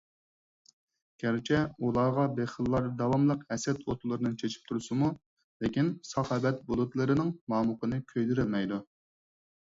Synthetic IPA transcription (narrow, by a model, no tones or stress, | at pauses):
ɡʲæɾt͡ʃʰɛulˠɑːʁɑbeχəlˠːɑɾd̪ɑwɑmlˠəqɛsɛt̪ʰot̪ʰulˠɨɾɨnɨŋt͡ʃʰet͡ʃʰi̥p̚t̪ʰuɾɨsɨmu | lɪkʲinsɑχɑbɛt̪̚bulˠut̪lˠɨɾɨnɨŋmɑːmʊqənɨkʲʰøjd̪yɾylmɛjd̪u